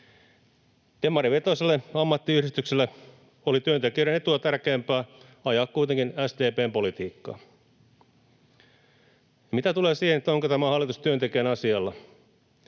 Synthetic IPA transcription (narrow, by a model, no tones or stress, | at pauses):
t̪emːɑɾiʋet̪oselːeɑmːɑt̪ːiyhɾist̪ykselːe | olit̪yøt̪ekieɾænet̪uɑt̪ærkeːmpæː | ɑjɑːkkujt̪eŋkinæst̪eːpeːmpo̞lit̪iːkːɑ̰ː | jɑmit̪æt̪uleːsiːhenet̪ːoŋkot̪æmæhɑlːˑit̪ust̪yønt̪ekeːnɑsiɑlːɑ